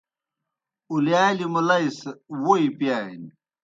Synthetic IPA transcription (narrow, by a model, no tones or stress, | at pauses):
uljaːlimulɐiswoipjaːjn